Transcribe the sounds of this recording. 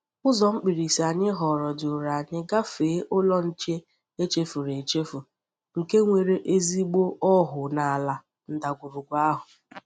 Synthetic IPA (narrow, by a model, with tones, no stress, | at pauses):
ʊ˦zɔ˨ŋ͡m̩˦k͡pi˨ɾi˨si˨a˨ɲɪ˦ɦɔ˨ɾɔ˨dʊ˨ɾa˨ɲɪ˦ɡa˦feː˨˦ʔʊ˦lɔ˦n̩˦t͡ʃe˦ | e˦t͡ʃe˦fu˨ɾe˨t͡ʃe˦fu˨ | ŋ̩˨ke˦ŋʷe˨ɾe˦ʔe˦zi˦ɡ͡bo˦ʔɔ˦ɦʊ˨na˨a˨la˨ | n̩˨da˨ɡʷʊ˨ɾʊ˨ɡʷa˦ɦʊ˨